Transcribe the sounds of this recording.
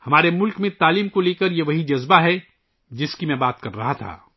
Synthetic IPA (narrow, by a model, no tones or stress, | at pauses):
hɐmaːɾemʊlkmẽt̪aːliːmkoleːkəɾjeʋɐɦid͡ʒɐzbaɦɛ | d͡ʒɪskimɛ̃baːt̪kɐɾːɐɦat̪ʰa̰ː